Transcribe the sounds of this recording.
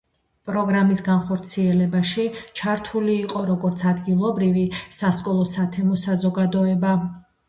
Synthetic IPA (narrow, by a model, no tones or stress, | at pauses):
pʼɾɔɡɾamisɡanχɔɾt̪sʰiɛlɛbaʃit͡ʃʰaɾt̪ʰuliːqʼɔɾɔɡɔɾt̪sʰad̪ɡilˠɔbɾivisaskʼɔlˠɔsat̪ʰɛmɔsazɔɡad̪ɔɛba